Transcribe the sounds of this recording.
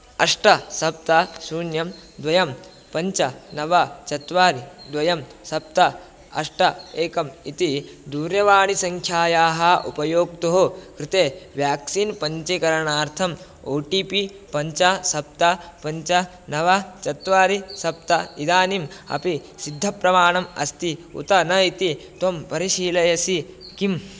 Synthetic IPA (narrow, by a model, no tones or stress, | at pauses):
ɐʂʈɐsɐp̚t̪ɐsuːnjɐmd̪ʋɐjɐm | pɐɲt͡ʃɐnɐʋɐt͡ʃɐt̪ʋaːɾid̪ʋɐjɐmsɐp̚t̪ɐ | ɐ̰ʂʈɐeːkɐmit̪id̪uːɾjɐʋaːɽisɐŋkʰjaːjaːɦɐʔupɐjoːk̚t̪oɦokɾɪt̪eːʋjaːksiːnpɐɲt͡ʃikɐɾɐɳaːɾt̪ʰɐm | oːʈiːpi | pɐɲt͡ʃɐsɐp̚t̪ɐpɐɲt͡ʃɐ | nɐʋɐt͡ʃɐt̪ʋaːɾisɐpt̪ɐid̪aːnimɐ̰pisid̪ʱːɐpɾɐmaːɳɐmɐ̰st̪iṵt̪ɐnɐit̪it̪ɐmpɐɾiʃiːlɐjɐsikim